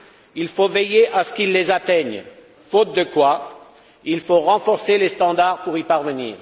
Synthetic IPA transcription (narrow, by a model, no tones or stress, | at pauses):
ilfovejeʔasə̥kilːezat̪ɛɲ | fot̪̚d̪əkwa | ilfoʁɑ̃fɔʁselest̪ɑ̃d̪aʁpuʁipaʁvənḭːʁ